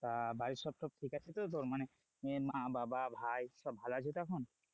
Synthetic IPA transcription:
t̪abaɾisɔb̚sɔb̚ʈʰikat͡ʃʰit̪ot̪̬oɾmane | emabababʱajsɔbːalat͡ʃʰit̪oakʰɔn

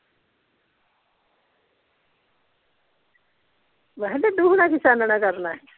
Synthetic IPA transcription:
ʋəɦled̪uːɦnakɪsaːnnakəɾnaɦɛ

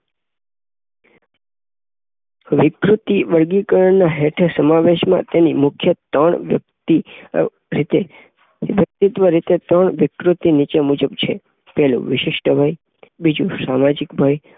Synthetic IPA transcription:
ʋɪkɾut̪iʋəɾɡikəɾəɳnaɦeʈʰeɾsəmaʋeʃmã̰t̪enimʊkʰjət̪əɳt̪i | ɾit̪e | ʋjək̚t̪it̪ʋəɾit̪et̪əɳʋɪkɾut̪init͡ʃemud͡ʒəbt͡ʃʰe | pɛɦlṵ̃ʋɪʃɪʃʈəbʱaj | bid͡ʒũsamad͡ʒikbʱaj

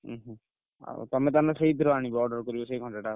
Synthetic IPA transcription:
ɦ | a̰t̪ɔmet̪anaseɦid̪ʱiɾɔaɽ̃ibɔːɾɖɔɾkɔɾibɔsejɡʰʱɔ̃nʈeʈa

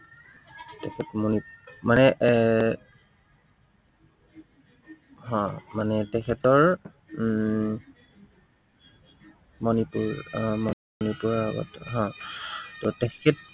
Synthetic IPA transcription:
tɛkʰɛtmɔnipmanɛʔ | ɦɔ̃manɛtɛkʰɛtɔɹ | mɔnipuɹmɔ | nipuɹaɡɔ̰tɦɔ̃tɔtɛkʰɛt̚

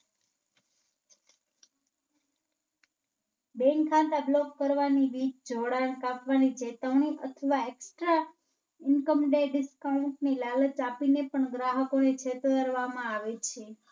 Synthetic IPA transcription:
beŋɡkʰːãt̪ablɔkːəɾʋaniʋit͡ʃd͡ʒoɽaɳkapʋanid͡ʒet̪əʋɳiʔət̪ʰəʋaeksʈɾa | ɪnkəmɖeɖɪskauɳʈnilalət͡ʃapinepəɳɡɾaɦəkonet͡ʃʰet̪oəɾʋamãaʋet͡ʃʰe

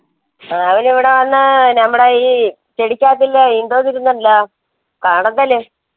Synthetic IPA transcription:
ɐʋɐniʋiɽe̞ʋɐnːɨnɐmːuɽeji | t̪eɽikʲːaːt̪ːilːind̪oːðiɾunːɐlːɐ | kaːɳund̪ɐlːeː

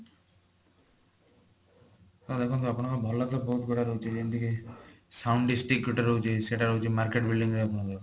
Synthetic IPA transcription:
t̪ɔd̪ekʰũnt̪̬ɔapɔɽ̃ɔ̃kɔbʱɔlat̪ɔbɔɦut̪̚ɡʱoɽaɾɔɦut͡ʃʰed͡ʒɔnt̪iki | sawɳɖisʈikːʈɾoɦut͡ʃʰeseʈaɾoɦut͡ʃʰemaɾkeʈbilɖiŋɡɾeapɔɽ̃ɔkɔ

